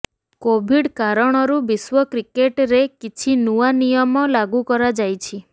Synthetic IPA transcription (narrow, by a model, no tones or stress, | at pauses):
kobʱiɽkaɾɔɽ̃ɔɾubiswɔkɾikeʈɾekit͡ʃʰinuanijɔmɔlaɡukɔɾad͡ʒajt͡ʃʰi